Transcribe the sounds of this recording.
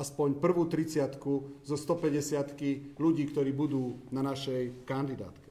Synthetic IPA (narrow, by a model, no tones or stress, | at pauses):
aspɔɲpr̩ʋuːt̪ɾit͡sɪat̪kuzɔst̪ɔpɛɟɛsɪat̪kiluɟiːkt̪ɔɾiːbud̪uːnanaʃɛjkand̪id̪a̰ːt̪kɛ